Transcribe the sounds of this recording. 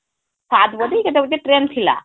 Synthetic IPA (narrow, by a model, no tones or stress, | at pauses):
saːd̪bod̪uiːɡɐd̪ed̪eʈɾent̪ʰila̰